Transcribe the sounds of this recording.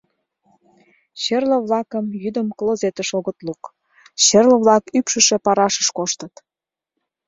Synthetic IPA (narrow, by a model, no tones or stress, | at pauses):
ɕerlə̆βlɑkəmjyd̪əmklozet̪əʃoɣət̪luk | ɕerlə̆βlɑkypʃə̆ʃĕpɑɾɑʃə̥ʃkoʃt̪ət̪